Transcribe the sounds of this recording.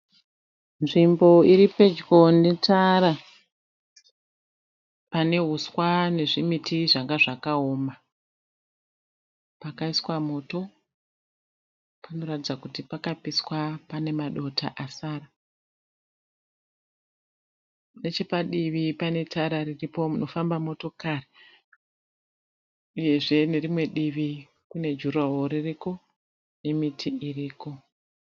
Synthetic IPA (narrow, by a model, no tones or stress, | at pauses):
nʐimbo̞iɾipe̞d͡ʒɡo̞netʰaɾa | pane̞ɦuswane̞ʐimitiʐaŋɡaʐakaoːma | pakaiswamo̞ːto̞ | pano̞ratid͡zakutipakapiswapane̞maɗo̞tʰa̰ʔasaːra | ne̞t͡ʃe̞paɗiʋipane̞tʰaɾariripo̞muno̞fambamo̞to̞kaːre | uje̞ʐe̞ne̞ɾimwe̞ɗiʋi | kune̞d͡ʒuraɦoɾiriko̞ | ne̞mitʰiʔiriːko̞